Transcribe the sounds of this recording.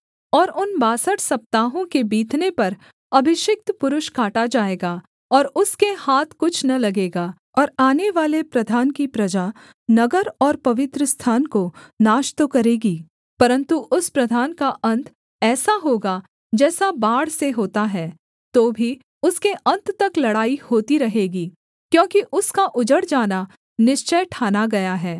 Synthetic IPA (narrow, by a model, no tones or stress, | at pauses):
ɔːɾʊnbaːsəʈsɐp̚t̪aːɦõkebiːt̪nepɐɾ | ɐbʱɪʃɪk̚t̪pʊɾʊʃkaːʈad͡ʒaːeːɡaː | ɔːɾʊskehaːt̪ʰkʊt͡ʃʰnɐlɐɡeːɡaː | ɔːɾaːneʋaːlepɾɐd̪ʱaːnkipɾɐd͡ʒa | nɐɡəɾɔːɾpɐʋɪt̪ɾəst̪ʰaːnkonaːʃt̪okɐɾeːɡiː | pɐɾə̃nt̪uʔʊspɾɐd̪ʱaːnkaʔɐ̃nt̪ʰ | ɛːsaɦoːɡa | d͡ʒɛːsabaːɽseɦoːt̪aɦɛː | t̪oːbʱi | ʊskeʔɐ̃nt̪t̪ɐklɐɽaːihoːt̪iɾɐɦeːɡiː | kjõːkiʔʊskaʔʊd͡ʒəɽd͡ʒaːna | nɪʃt͡ʃəʈʰaːnaɡɐjaɦɛː